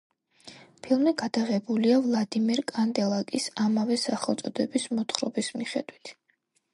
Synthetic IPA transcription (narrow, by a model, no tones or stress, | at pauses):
pʰilˠmiɡad̪̥aʁɛbuliavlˠad̪imɛɾkʼand̪ɛlˠakʼisamavɛsaχɛlˠt̪sʼɔd̪ɛbismɔt̪ʰχɾɔbismiχɛ̰d̪wit̪ʰ